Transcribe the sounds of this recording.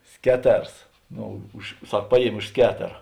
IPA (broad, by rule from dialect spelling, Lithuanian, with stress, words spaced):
ˈsʲkʲæːˌtʲɛrs ˈnoː ʊʃ ˈsɐk ˈpɑːˌjiɛmʲeː ʊʃ ˈsʲkʲæːtʲɛrɐ